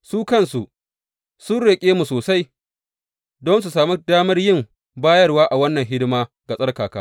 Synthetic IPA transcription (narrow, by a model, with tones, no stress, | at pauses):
suː˦kɐ˦˨nsu˨ʔ | sʊ˦nɽe˨kʲʼeː˦mu˨soː˨sa˦j | dɔ˦ns̬u˨saː˨mi˦daː˦mɐ˦rjɪ˦˨m | baː˦jɐ˦rwaː˦ʔa˨wɐ˦nːɐ˨ŋɦɪ˦dɪ˦maː˦ | ɡa˨sʼɐ˦rkaː˨kaː˦